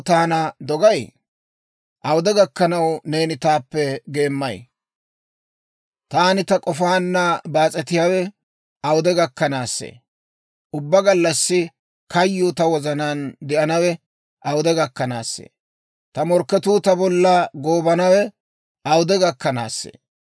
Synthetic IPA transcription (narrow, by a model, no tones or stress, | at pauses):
t̪aːnɐd̪ɔɡɐj | ʔɐwʊd̪ɛɡɐkːɐnɐwne̞ːnɪt̪aːpːɛɡe̞ːmːɐj | t̪aːnɪt̪ɐkʼɔfaːnːɐbaːt͡sʼɛt̪ɪjaːwɛ | ɐwʊd̪ɛɡɐkːɐnaːsːḛː | ʔʊbːɐɡɐlːɐsːɪ | kɐjːʊt̪ɐwɔzɐnaːnd̪ɛʔɐnɐwɛ | ʔɐwʊd̪ɛɡɐkːɐna̰ːsːḛː | t̪ɐmɔɾkːɛt̪uːt̪ɐbɔlːɐɡoːbɐnɐwɛ | ɐwʊd̪ɛɡɐkːɐna̰ːsːḛː